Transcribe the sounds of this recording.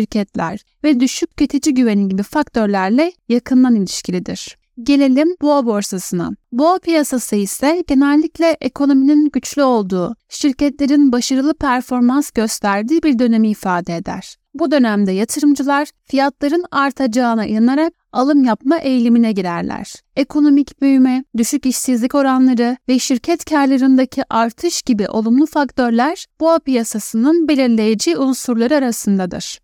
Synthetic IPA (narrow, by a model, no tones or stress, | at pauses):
ʃiɾcʰɛt̪lʲæ̰ɾ | vɛd̪yʃycːøt̪ʰed͡ʒiɟyve̞ninɟibifakt̪ʰø̞ɾlʲæɾlʲɛjakʰɯnd̪ˠanilʲiʃcʰilʲid̪ḭɾ̥ | ɟe̞lʲe̞lʲimboːbo̞ɾsasɯna̰boːpʰijasasɯisɛɟe̞nɛlʲːiclʲɛʔekʰo̞no̞mininɟyt͡ʃlʲyo̞lˠd̪uːʃiɾcɛt̪lʲe̞ɾinbaʃaɾɯlˠɯpʰæɾfo̞ɾmansɟ̥ø̞st̪ʰæɾd̪iːbiɾd̪ø̞ne̞miːfaːd̪ɛed̪æ̰ɾ̥ | bud̪ø̞næmd̪ɛjat̪ʰɯɾɯmd͡ʒɯlˠaɾ̥fijat̪lˠaɾɯnaɾt̪ʰad͡ʒaːnaʔḭjanaɾak̚alˠɯmjapmaʔe̞jlʲiminɛɟiɾæɾlʲæ̰ɾ̥e̞kʰo̞no̞micbøjymɛd̪yʃyciʃsizlʲico̞ɾanlˠaɾɯvɛʃiɾcʰɛt̪cʰaɾlʲˠaɾɯnd̪acʰiʔaɾt̪ʰɯʃɟ̥ibiʔo̞lˠumlˠufakt̪ʰø̞ɾlʲæɾ̥b̥uapijasasɯnɯnbe̞lʲiɾlʲe̞jed͡ʒiːunsuɾlˠaɾɯaɾasɯnd̪ad̪ɯ̰ɾ̥